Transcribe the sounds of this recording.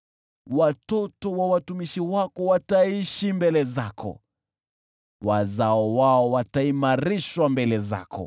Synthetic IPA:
watɔtɔwawatumiʃiwakɔwataiʃimbɛlɛzakʰɔ̰ | wazaɔwaɔwataimaɾiʃwambɛlɛza̰kɔ̰

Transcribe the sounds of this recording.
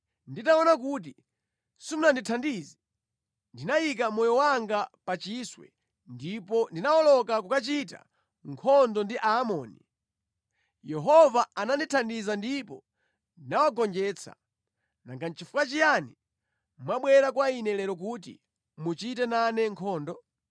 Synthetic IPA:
nditaɔnak̬ut̬i | sumunanditʰandiːzi | ndinajik̬amɔjɔwaŋɡapat͡ʃiswɛ̰ | ndipɔndinawɔlɔkakukat͡ʃita̰ | ŋkʰɔndɔndiʔaːmɔːni | jɛɦɔvaananditʰandizandipɔ | ndinawaɡɔnd͡ʒɛːt͡sʰa̰ | na̰ŋɡan̩t͡ʃifukat͡ʃijani | mmwaɓwɛɾakwainɛlɛɾɔk̬uːt̬ḭ | mut͡ʃitɛnanɛŋkʰɔːndɔ

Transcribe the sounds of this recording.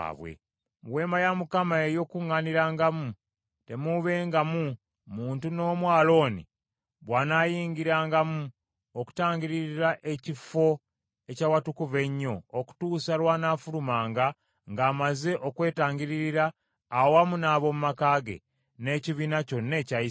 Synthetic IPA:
βwḛ | mwe̞ːmajamukamaejo̞kuŋːaniɾaːŋɡamu | te̞muβe̞ːŋɡamu | muːntuno̞ːmwaːlo̞ːnḭ | βwanaːjiːŋɡiɾaːŋɡamu | oku̥taːɲɡiɾiɾiɾaʔe̞cifo̞ | e̞cawatukuve̞ɲːo̞ːku̥tuːsalwaːnafulumaːŋɡa | ŋɡaːmaze̞ʔo̞kwe̞ːtaːɲɟiɾiɾiɾaː | wamunaːβo̞mumakaːɡe̞̰ | ne̞ːciβinaco̞nːe̞ːcai

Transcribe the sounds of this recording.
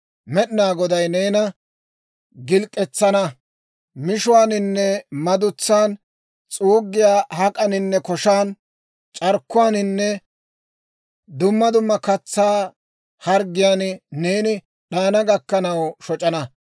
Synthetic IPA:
mɛɗnaːɡɔd̪ɐjne̞ːnɐ | ɡɪlkʼːɛt͡sːɐnɐ | mɪʃʊwaːnɪnːɛmɐd̪ʊt͡sːaːn | t͡sʼuːɡːɪjaːhɐkʼɐnɪnːɛkɔʃaːn | t͡ʃʼɐɾkːʊwaːnɪnːɛ | d̪ʊmːɐd̪ʊmːɐkɐt͡sːaː | hɐɾɡɪjaːnne̞ːnɪ | ɗaːnɐɡɐkːɐnɐwʃɔt͡ʃʼɐnɐ

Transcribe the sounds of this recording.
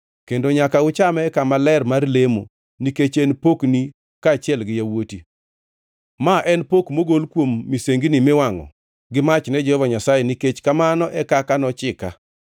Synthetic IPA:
kendoɲakaʊt͡ʃamɛkamalɛrmarlemo̰ | niket͡ʃɛnpokni | kaːt͡ʃɪɛlɡɪjawoti | maʔɛnpokmoɡolkwomːiseŋɡinimewaŋɔ̰ | ɡɪmat͡ʃnɛd͡ʒɛhɔvaɲasajɛniket͡ʃkamanɔʔɛkakanɔt͡ʃɪka̰

